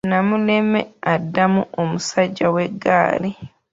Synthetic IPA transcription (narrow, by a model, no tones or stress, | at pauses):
namulemḛadːamuomusaɟːaweɡːa̰ːli